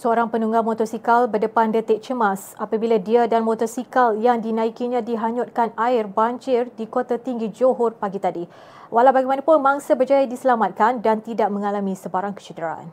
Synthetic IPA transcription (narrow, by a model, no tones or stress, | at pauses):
səoɾaŋpənuŋɡamot̪ɔrsikalbədəpandət̪ɪʔ̚t͡ʃəmasapabiladiadanmɔt̪ɔrsikaljaŋdinaikiɲãdiɦaɲʊt̪̚kanaɪrbaɲd͡ʒɪrdikot̪at̪iŋɡid͡ʒoɦɔrpaɡit̪adi | walawbaɡɛjmanapʊnmaŋsabərd͡ʒajadisəlamat̪̚kandant̪idaʔ̚mə̃ŋalamĩsəbaɾaŋkə̥t͡ʃədəɾaa̰n